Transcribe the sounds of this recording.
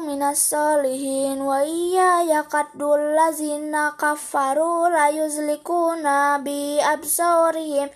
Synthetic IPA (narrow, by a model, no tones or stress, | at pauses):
mɪnasːɑːlɪɦiːnwaʔijajaqɑt̪d̪ulːazinakafaɾulajʊzlɪkuːnabiʔabsɑːɾɪhɪm